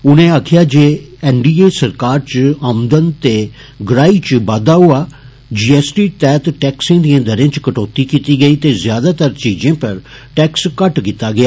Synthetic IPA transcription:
ʊnẽːaːkʰjaːd͡ʒeːɛːnɖiːeːsəɾkaːɾt͡ʃəmd̪ənt̪eː | ɡɾaːiːt͡ʃbaːd̪aːɦʊaː | d͡ʒiːɛːsʈiːt̪ɛːt̪ʈɛːksẽːd̪iãːd̪əɾẽːt͡ʃkəʈɔːt̪iːkiːt̪iːɡəiːt̪eːzjaːd̪aːt̪əɾt͡ʃiːd͡ʒẽːpəɾ | ʈɛːkskəʈkiːt̪aːɡɪaː

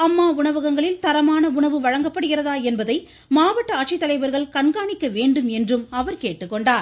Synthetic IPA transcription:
ɐmːaːʊɳɐʋɐɣɐŋɡɐɭɪlt̪ɐɾɐmaːnɐʊɳɐʋɯʋɐɻɐŋɡɐpːɐɽɯɣɪrɐðaːɛnbɐðɐɪ | maːʋɐʈːɐaːʈ̚t͡ʃɪt̪ːɐlɐɪʋɐɾɣɐɭkɐɳɡaːɳɪkːɐʋeːɳɖɯmɛndrɯmɐʋɐɾkeːʈːɯkːɔɳɖaːɾ

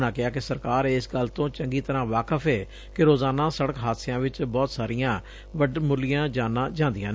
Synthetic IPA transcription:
ɽaːkɪaːkɪsəɾkaːɾɪsɡəlt̪õːt͡ʃəŋɡiːt̪əɾãːʋaːkəfʰɛː | kɪɾoːzaːnãːsəɽəkɦaːt̪sɪjãːʋɪt͡ʃbɔːt̪saːɾɪjãː | ʋəɖmʊlɪjãːd͡ʒãːnãːd͡ʒãːnd̪ɪjãː

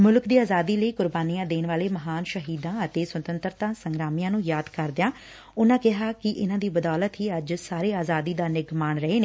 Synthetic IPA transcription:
mʊlkd̪iːaːzaːd̪iːləiːkʊɾbaːnijãːd̪eːnʋaːleːməɦaːnʃəɦiːd̪ãːət̪eːswət̪ənt̪ɾt̪ãːsəŋɡɾaːmijãːnũːjaːd̪kəɾd̪ɪjãː | ʊnãːkɪɦaːkɪʔɪnãːd̪iːbəd̪aːlət̪ɦiːəd͡ʒsaːɾeːaːzaːd̪iːd̪aːnɪɡmaːnɾəɦeːneː

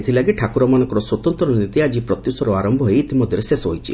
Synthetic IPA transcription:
t̪ʰilaɡiʈʰakuɾɔmanɔ̃ŋkɔɾɔswɔt̪ɔnt̪ɾɔnit̪iad͡ʒipɾɔt̪jusɔɾɔaɾɔmbʱɔɦoeːt̪imɔd̪ʱjɔɾesesɔɦojt͡ʃʰḭ

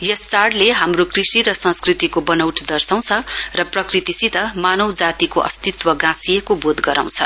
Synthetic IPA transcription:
jʌst͡saɽleɦamrokrisiɾʌsʌ̃skrit̪ikobʌnʌwʈʰd̪ʌrsaw̃t͡sʰʌrʌprʌkrit̪isit̪ʌmanʌwd͡zat̪ikoʔʌ̰st̪it̪wʌɡãsijekobod̪ɡʌɾa̰w̃t͡sʰʌ

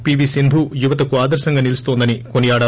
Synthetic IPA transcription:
piʋisind̪ʱujuʋɐt̪ɐkuaːd̪ɐɾsɐŋɡɐnilist̪oːnd̪ɐnikonijaːɽɐ

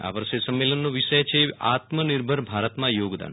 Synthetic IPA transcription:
a̰ʋəɾʃesəmːelənːoʋiʃəjt͡ʃʰea̰t̪məniɾbʱəɾbʱaɾət̪mãjoːɡd̪a̰n

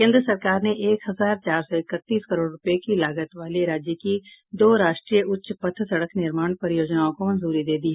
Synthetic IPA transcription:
kẽːnd̪ɾəsɐɾkaːɾneʔeːkɦɐzaːɾt͡ʃaːɾsɔɪkət̪ːiːskəɾoːɖɾʊpjekilaːɡət̪ʋaːliɾaːd͡ʒjəkid̪oːɾaːʃʈɾiːjəʊtːʃpət̪ʰsɐɽəknɪɾmaːɳ̃pəɾɪjoːd͡ʒnaːõkomɐ̃nzuːɾid̪eːd̪iɦɛ

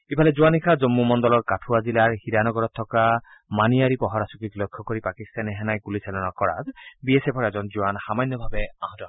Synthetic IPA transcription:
ibʱalɛzuanikʰazɔmːumɔndɔlɔɹkatʰuazilaɹhidanɔɡɔɹɔt̪ʰːɔkamanijaɹipɔɦɔɹasukiklɔjkʰːɔkoɹipakist̪anɛɦɛnajɡulisɛlɔnakɔɹa̰zbiesepʰɔɹɛzɔnzuwanxamanːɔbʱabɛaɦɔ̃tɔ

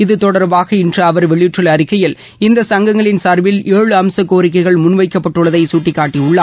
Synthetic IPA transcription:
ɪðɯt̪ɔɽɐɾʋaːɣɐɪndrɐɐʋɐɾʋɛɭɪjʈrɯlɐɾɪkːɐjɪl | ɪnd̪ɐsɐŋɡɐŋɡɐɭɪnsaːɾʋɪleːɻɯɐmsɐkːoːɾɪk̬ːɐɪɣɐɭmʊnʋɐɪkːɐpːɐʈːɯɭɐðɐɪsuːʈːɪkːaːʈːiʊɭːa

